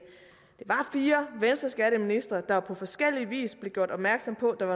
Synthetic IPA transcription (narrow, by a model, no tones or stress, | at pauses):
d̥e̝ʋɑ̈fiːɐʋensd̥ɐsɡ̥æɾəminisd̥ʁɐd̥ɑ̈pʰɒ̽fɒ̽sɡ̥el̰iʋḭːsb̥le̝ɡ̥jo̝ɐ̰ɾ̥ɒ̽b̥mæɐɡ̥sɒ̽m̰pʰɒ̽d̥ɑ̈ɑ̈